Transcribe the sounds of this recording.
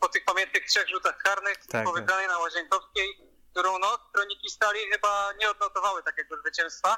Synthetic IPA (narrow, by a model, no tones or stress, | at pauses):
pɔt̪ɘxpamʲjɛnt̪̚nɘxtʂɛɣʐut̪axkaɾnɘxpɔvɘkɾanɛjnawaʑɛŋkɔfskʲɛj | kt̪uɾɔ̃w̃nɔt̪sk̪ɾɔɲikʲist̪alʲixɘbaɲɛɔd̪̚nɔt̪ɔvawɘt̪akʲɛɡɔzvɘt͡ɕɛw̃st̪fa